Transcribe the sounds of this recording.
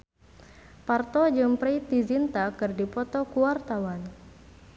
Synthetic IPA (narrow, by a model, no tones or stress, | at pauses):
part̪ɔd͡ʒɨmpɾejt̪izint̪akɨrdipɔt̪ɔkuwart̪awan